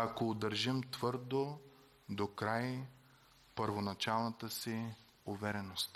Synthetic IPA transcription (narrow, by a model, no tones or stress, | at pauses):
akoːd̪əɾʒimt̪vɤɾd̪o | d̪okɾaj | pəɾvonɐt͡ʃalˠnət̪əsi | ʊvɛɾɛnost̪